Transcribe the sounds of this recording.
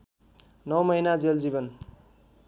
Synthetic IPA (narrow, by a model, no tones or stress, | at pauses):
nʌwmʌjnad͡zeld͡zibʌn